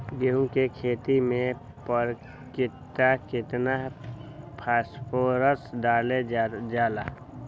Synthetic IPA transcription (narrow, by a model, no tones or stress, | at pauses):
ɡeũŋkekʰeːt̪imẽ | pəɾ | kɪt̪akɪt̪na | pʰaːspʰoːɾəsɖaːled͡ʒaːlaː